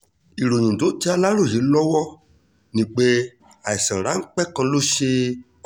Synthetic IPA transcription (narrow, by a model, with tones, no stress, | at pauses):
i˨ɾo˨ɲũ˨do˨˦ti˦a˧la˦ɾo˦˨je˨˦lɔ˦wɔ˦ | nĩ˨k͡pe˦ | a˨i˨sã˨ɾa˨˦ŋ̩˦k͡pɛ˦kã˧lo˦ʃe˧